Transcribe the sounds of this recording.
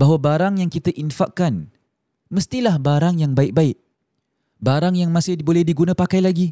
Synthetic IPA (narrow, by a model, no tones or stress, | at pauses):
baɦwabaɾaŋjaŋkit̪aʔinfaʔkan | məst̪ilahbaɾaŋjaŋbaɪk̚baɪʔ | baɾaŋjaŋmãsɪhbolɛhdiɡunãpakajlaɡi